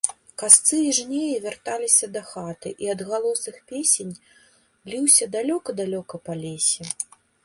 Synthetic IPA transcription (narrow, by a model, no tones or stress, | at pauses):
kast̪sɨiʐnʲejɛvʲart̪alʲisʲɐd̪ɐxat̪ɨʔiɐd̪ɣalˠɔsnɨxpʲesʲenʲ | blʲiwsʲɐd̪alʲɔkɐd̪alʲɔkɐpalʲesʲɛ